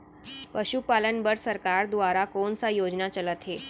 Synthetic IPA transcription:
pəɕupalənbəɾsəɾkaɾd̪uʋaɾakoɳsajod͡ʑnat͡ɕələt̪ɦe

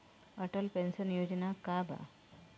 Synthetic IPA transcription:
əʈəlpensənjod͡ʑnakabʱa̰

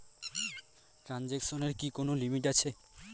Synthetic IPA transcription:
ʈɾand͡ʑekʃoneɾkikonolimiʈat͡ɕʰe

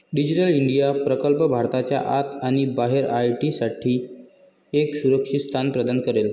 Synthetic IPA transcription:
ɖid͡ʑiʈəliɳɖijapɾəkəlpəbʱaɾt̪at͡ɕja̰ʔat̪aɽ̃ibaɦeɾajʈisaʈʰiː | eksuɾəkʂist̪ʰanpɾəd̪ankəɾel

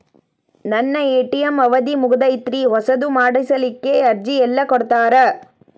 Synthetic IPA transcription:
nɐnːɐeːʈːɪjɐmɐʋɐðimʊɣɯðɐɪt̪ɾiɦɔsɐðɯmaːɽɐɪsɐlɪkːeːɐɾd͡ʒiɛlːɐkɔɽɯt̪ːaːɾɐ

